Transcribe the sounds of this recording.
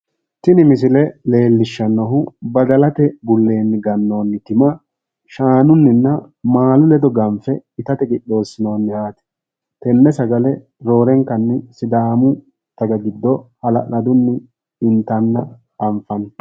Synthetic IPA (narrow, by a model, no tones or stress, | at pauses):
t̪ɪnɪmɪs̬ɪlɛle̞ːlːɪʃːɐnːɔɦʊbɐd̪ɐlɐt̪ɛbʊlːe̞ːnːɪɡɐnːo̞ːnːɪt̪ɪmɐ | ʃaːnʊnːɪnːɐ | maːlʊlɛd̪ɔɡɐmfɛɪt̪ɐt̪ɛkʼɪɗo̞ːsːɪno̞ːnːɪhaːt̪ɛ̥ | t̪ɛnːɛsɐɡɐlɛ | ɾo̞ːɾɛŋkːɐnːɪsɪd̪aːmʊ | t̪ɐɡɐɡɪd̪ːɔhɐlɐ̰ʔɐd̪ʊnːɪ | ɪnt̪ɐnːɐ | ɐɱfɐn